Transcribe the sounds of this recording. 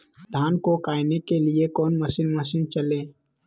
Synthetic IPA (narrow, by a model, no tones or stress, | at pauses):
d̪ʱaːnkokaːɪnekeliekɔːnməʃiːnməʃint͡ʃəlẽː